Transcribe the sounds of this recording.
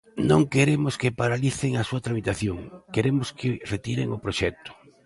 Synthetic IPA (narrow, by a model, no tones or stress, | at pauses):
nõŋkeɾemʊskɪpaɾaliθeŋasuɐt̪ɾamit̪aθjoŋkeɾemʊskɪret̪iɾḛŋʊpɾoʃɛk̚t̪ʊ̥